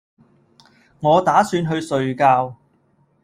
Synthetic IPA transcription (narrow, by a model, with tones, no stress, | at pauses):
ŋɔː˨˧t̪aː˨˥syː˧nɦɵ˧ɥsɵ˨˧ɥkaː˧w